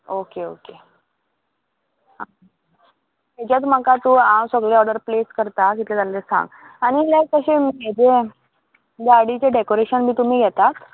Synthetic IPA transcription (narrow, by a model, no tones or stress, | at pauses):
okeo̰ke | ã | t̪et͡ɕat͡sm̤əkat̪uɦãwsəɡɭeɔɾɖəɾpleskəɾt̪akit̪et̪alːesã̰ŋɡaɽ̃ilekəɕemed͡ze | ɡaɾɽit͡ɕeɖekoɾeɕənbʱiːt̪um̤iːɡʱɛt̪at̪